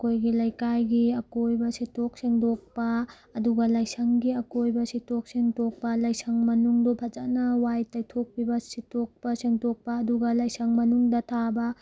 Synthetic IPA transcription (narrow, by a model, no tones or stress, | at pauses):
ɐkojɡilɐjkajɡiɐkojbɐsitok̚siŋdok̚pɐː | duɡɐlɐjsɐŋɡiɐkojbɐsitok̚siŋtok̚pɐlɐjsɐŋmɐnuŋdobʰʱɐd͡ʒanɐwajtɐjtʰok̚pʰibɐsitok̚pɐsiŋtok̚pɐːduɡɐlɐjsɐŋmɐnuŋdɐtʰabɐ